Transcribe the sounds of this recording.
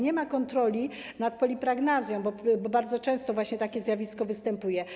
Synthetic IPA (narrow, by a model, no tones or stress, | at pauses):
ɲɛmakɔnt̪ɾɔlʲi | nat̪̚pɔlʲipɾaɡnazʲjɔ̃w̃bɔbɔbaɾd̪zɔt͡ʂɛ̃w̃st̪ɔvwaɕɲɛt̪akʲɛzʲjavʲiskɔvɘst̪ɛmpujɛ